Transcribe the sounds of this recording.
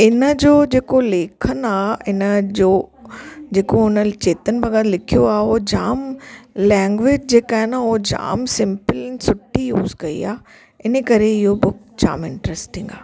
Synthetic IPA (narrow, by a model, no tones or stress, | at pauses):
ɪnə̆d͡ʑoːd͡ʑeːkoleːkʰənaːɪnə̆d͡ʑoː | d͡ʑeːkoʊnə̆t͡ɕeːt̪ənɪ̆bɐɡad̪lɪkʰijoaːod͡ʑaːmlɛ̃ːŋɡʋɪːd͡ʑd͡ʑeːkaːɦɪnʊod͡ʑa̰ːmsɪ̃mpəlɛnsʊʈʰijuːzkɐḭa̰ː | ɪnəkɐɾeɪɦobʊk̚ | d͡ʑa̰ːmɪ̃ɳʈɾɛsʈɪĩŋɡaː